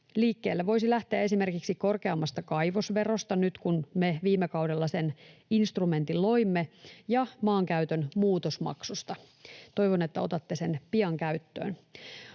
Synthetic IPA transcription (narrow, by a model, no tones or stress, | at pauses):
liːkːeːlːeʋo̞isilæht̪eæe̞sime̞rkiksiko̞rkeɑmːɑst̪ɑkɑjʋosʋe̞ro̞st̪ɑnyt̪kunmeʋiːmːekɑwdelːɑseninst̪rume̞nt̪illo̞imːejɑmɑːŋkæyt̪ønmuːt̪osmɑ̰ksust̪ɑ | t̪o̞jʋonet̪ːæo̞t̪ɑt̪ːesenpiɑŋkæyt̪ːø̰ːn